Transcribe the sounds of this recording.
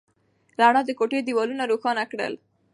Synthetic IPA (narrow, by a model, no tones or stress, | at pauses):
ɾaɳ̃ɔd̪əkoʈed̪iwɔlunaɾoxɑnakɽə̰l